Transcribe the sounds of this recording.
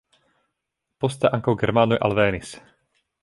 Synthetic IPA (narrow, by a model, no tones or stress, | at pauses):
pɔst̪aʔaŋkɔʊɡɛɾmaːnujʔa̰lʋɛːnis